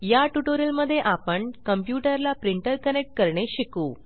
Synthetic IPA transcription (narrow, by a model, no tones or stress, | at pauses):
jaʈuʈoɾəlməd̪ʱːjeʔapəɳkəmpjuʈəɾlapɾiɳʈəɾkənek̚ʈ̚kəɾɳeɕikuː